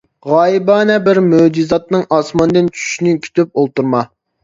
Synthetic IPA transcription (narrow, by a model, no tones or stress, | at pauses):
ʁɑːjibɑːnɛbɪɾmød͡ʒizɑt̪̚nɨŋʔɑsmɑnd̪ɨnt͡ʃʰy̥ʃinɪkʲʰy̥t̪ʰyp̚olˠt̪uɾmɑ